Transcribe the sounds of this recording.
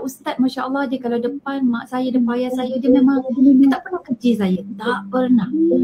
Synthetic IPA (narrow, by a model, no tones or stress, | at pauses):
ust̪at̪̚maʃaʔəlːɑhdəkalawdəpanmaʔsajədəpajasajədəmẽmãŋdət̪aʔpərnahkərt͡ʃisajət̪aʔpərnah